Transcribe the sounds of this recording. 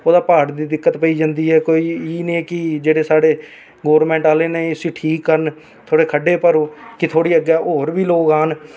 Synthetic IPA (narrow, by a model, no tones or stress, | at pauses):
oːd̪aːpaːɽd̪iːd̪ɪkːət̪pəiːd͡ʒãːnd̪iːɦɛːkoːiːiːnĩːkɪd͡ʒeːɽeːsaːɽeː | ɡoːəɾmɛ̃ːɳʈaːleːnesiːʈʰiːkːəɾn | t̪ʰoːɽeːkʰəɖːeːpəɾoːkɪt̪ʰoːɽiːəɡɛːɦoːɾbiːloːkaːn